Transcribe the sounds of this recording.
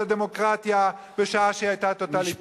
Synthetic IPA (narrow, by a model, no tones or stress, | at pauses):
ad̪emo̞kʁat̪ja | beʃaaʃeajt̪at̪o̞t̪ali